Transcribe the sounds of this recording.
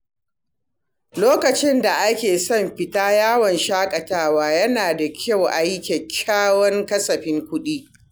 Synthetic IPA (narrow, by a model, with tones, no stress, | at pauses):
loː˦kɐ˨t͡ʃɪ˦nda˨ʔa˦kʲeː˨sɔ˦˨mɸɪ˨˦taː˦jaː˦wɔ˨nʃaː˦kʼɐ˨taː˦waː˦jɐ˦naː˨da˨kʲʰa˦˨wʔa˨ji˦kʲɛ˨kʲʰːaː˦wɔ˦ŋkɐ˦sɐ˨ɸɪ˦ŋkʷʊ˦ɗiː˦